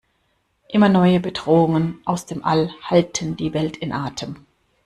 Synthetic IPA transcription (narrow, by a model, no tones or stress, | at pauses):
ʔɪmɐnɔʏəbədʁoːʊŋənʔaʊsd̥eːmʔa̰lhaltʰəndiːvɛltʰɪnʔaːtʰəm